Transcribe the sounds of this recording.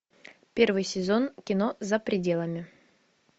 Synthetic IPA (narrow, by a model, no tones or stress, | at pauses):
pʲe̞rvɨjsʲɪzo̞nkʲɪno̞zəpɾʲɪdʲe̞lˠəmʲɪ